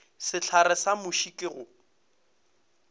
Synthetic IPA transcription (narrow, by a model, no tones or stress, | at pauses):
sɪt͡ɬʰarɪsamʊʃikʼɪɣʊ